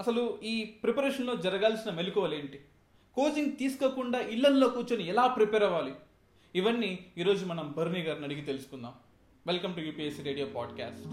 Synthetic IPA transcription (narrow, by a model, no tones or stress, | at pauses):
ɐsɐluiːpɾepɐɾeːʂɐnlo̞ːd͡ʒɐɾɐɡaːlsinɐmelukɔʋɐle̞ːɳʈi | koːd͡ʒiŋɡt̪iːsu̥koːkuɳɖaːʔiɭːɐnlo̞ːkuːt͡ʃɐniɛlaːpɾipɛːɾɐʋaːli | iʋɐnːiːɾo̞ːd͡ʒumɐnɐmbɐɾuniɡaːɾunɐɽiɡit̪e̞lusu̥kunːaːm | ʋelkɐmʈujuːpiːesiɾe̞ːɽijoːpaːɖka̰ːsʈ